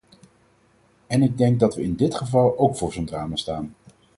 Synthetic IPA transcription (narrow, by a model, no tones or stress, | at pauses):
ɛnɪɡ̚dɛŋɡ̚dɑtʋəɪndɪtχəvɑlˠowkfʊːɹzondraːmastaːn